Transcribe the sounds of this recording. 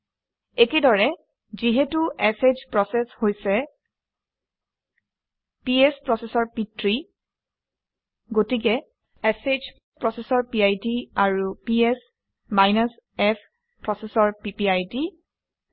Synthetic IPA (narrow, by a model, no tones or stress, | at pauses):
ekedɔɹɛ | ziɦetuesed͡ʒpɹɔsɛshojsɛ | piɛspɹɔsɛsɔɹpitɹi | ɡotik̬ɛ | esed͡ʒ | pɹɔsesɔɹpiajtiaɹupiɛs | majnas | ɛs | pɹɔsɛsɔɹpipiajti